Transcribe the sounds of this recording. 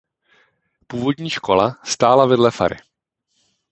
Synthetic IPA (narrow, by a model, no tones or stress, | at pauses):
puːvo̞dɲiːʃkʰo̞last̪aːlavɛdlɛfa̰ɾɪ̰